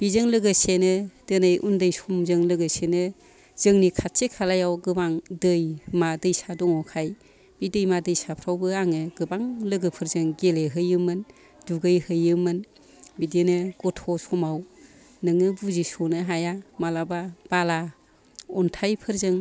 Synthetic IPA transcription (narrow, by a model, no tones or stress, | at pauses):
b̥izɯŋlɯɡɯsenɯd̥ɯnɯjʔundɯjsumzɯŋlɯɡɯsenɯ | z̥ɯŋnikʰatsekʰalajawɡɯbaŋdɯjmadɯjsadɔŋɔkʰaj | b̥idɯjmadɯjsapʰɾawbɯaŋɯɡɯbaŋlɯɡɯpʰɯɾzɯŋɡeleɦɯjɯmɯn | duɡɯjhɯjɯmɯn | bidenɯɡ̥ɔtʰɔsɔmaw | nɯŋɯbuzisɔnɯɦajamalabab̥ala | ɔntʰajpʰɯɾzɯŋ